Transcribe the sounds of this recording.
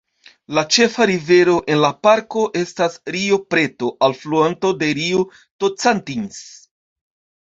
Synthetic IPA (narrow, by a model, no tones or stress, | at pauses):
lat͡ʃe̞faɾive̞ɾo̞ʔe̞nlapaɾko̞ʔe̞stasɾiopɾe̞to̞ʔalfluanto̞de̞ɾio | tot͡santins